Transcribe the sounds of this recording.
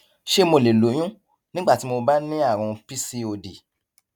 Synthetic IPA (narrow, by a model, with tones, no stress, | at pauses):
ʃe˦mo˧˨le˨lo˨˦j̃ũ˦ | nĩ˦ɡ͡ba˦˨ti˨˦mo˧ba˦nĩ˦a˦˨ɾ̃ɔ̃˧pi˦si˧o˧di˨